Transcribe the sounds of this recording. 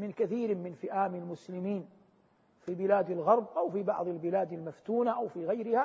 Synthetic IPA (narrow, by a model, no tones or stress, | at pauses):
mɪnkaθiːɾmɪnfɪʔaːmɪlmʊslɪmiːn | fiːbɪlaːd̪alɣɑɾˤbʔawfibɑ̰ʕðˤɪlbɪlaːd̪almaft̪uːnaʔawfiɣajɾɪha